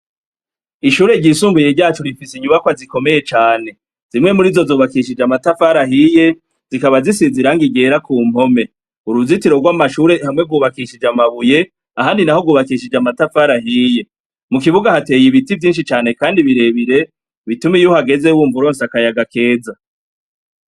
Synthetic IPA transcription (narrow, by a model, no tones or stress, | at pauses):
iʃuːɾe̞ɟisuːmbujeɟaːt͡ʃoɾifisiɲuβakwaziko̞me̞je̞t͡ʃaːne̞ | z̥imŋe̞muɾiːzo̞zoːβakiʃid͡ʒamatafaɾaɦije̞ | z̥ikaβazisiziɾaŋɡiɡe̞ɾakuːm̥ho̞me̞ | uɾuzitiɾo̞ɡwamaʃuɾe̞hamŋe̞ɡwuβakiʃid͡ʒamaβuje̞ | aɦaːndinahoɡwuːβakiʃid͡ʒamatafaːɾaɦiːje̞ | mukiβuɡahate̞ːjiβitivjiːnʃit͡ʃaːne̞kaːndiβiɾe̞βiɾe̞ | βitumijuhaɡe̞ze̞wuːɱvuɾo̞ːnsakajaɡake̞ːd͡za